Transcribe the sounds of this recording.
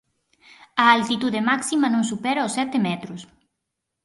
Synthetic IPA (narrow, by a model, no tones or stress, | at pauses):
ɐalt̪it̪uðemaksimɐnõŋsupɛɾaosːɛt̪emɛt̪ɾʊs